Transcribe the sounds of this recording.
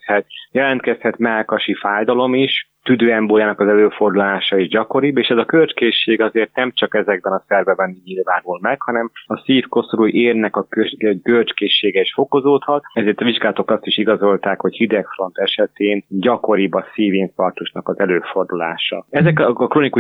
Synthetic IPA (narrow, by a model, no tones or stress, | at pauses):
hɛt̪jɛlɛnt̪kɛshɛt̪mɛlkɒʃifaːjd̪ɒlo̞miʃt̪yd̪øːɛmboːljaːnɒkɒzɛløːfo̞rd̪ulaːʃɒiːʒɟɒko̞ɾibeːʃɛzɒkørt͡ʃkeːʃːeːɡɒzeːrt̪̚nɛmt͡ʃɒkɛzɛɡ̚bɛnɒsɛrbɛbɛnɲilvaːnulmɛkhɒnɛmɒsiːfko̞sɾujʔeːrnɛkɒkøkørt͡ʃkeːʃːeːɡɛiʃfo̞ko̞zoːt̪hɒt̪̚ɛzeːrt̪ɒviʒɡaːlɔt̪okɒst̪iʃiɡɒzo̞lt̪aːkho̞chid̪ɛkfro̞nt̪ɛʃɛt̪eːnɟɒko̞ɾibɒsiːviŋfɒrt̪uʃnɒkɒzɛløːfo̞rd̪ula̰ːʃɒ̰ɛzɛkːkroːniku